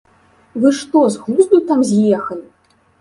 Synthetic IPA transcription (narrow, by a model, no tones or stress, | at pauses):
vɨʂt̪ɔzɣlʲˠuzd̪ut̪amzʲjɛxɐnʲ